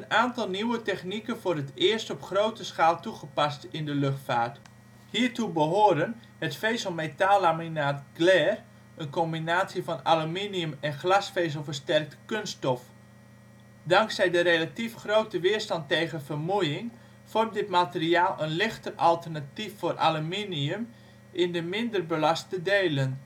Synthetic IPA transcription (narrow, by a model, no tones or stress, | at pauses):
ənaːntɑlˠniwətɛxnikənfʊːrətɪːəɹstɔpχrowtəsxaːlˠtuχəpastɪndəløxtfaːrt | hiːrtubəɦoːdən | hətfejsɔmetaːlˠaminaːtɡlɛːr | ənkɔmbinaːtsjəfɔnaluminiəmɛnχlasfeːz̬əlˠfərstɛrk̚tkønstɔf | dɑŋksɛjdəɾelatifχroːtəʋɪərstɑntːejɣənfərmujɪŋ | fɔrmdɪtmatəriaːlˠənlɪxtərʔalˠtərnatifːoːrʔa̰luminiəm | ʔɪndəmɪndərbəlastədeːlən